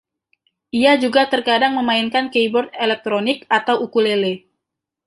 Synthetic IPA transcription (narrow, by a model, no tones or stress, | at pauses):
ʔiad͡ʒuɡat̪ərkadaŋməmainkankejbɔrd̪̚elɛk̚t̪ɾonɪkat̪awukulele